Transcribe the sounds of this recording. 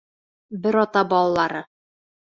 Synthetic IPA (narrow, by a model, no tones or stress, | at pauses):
bɘɾɒt̪ɑbɒlˠɑlˠɑɾɤ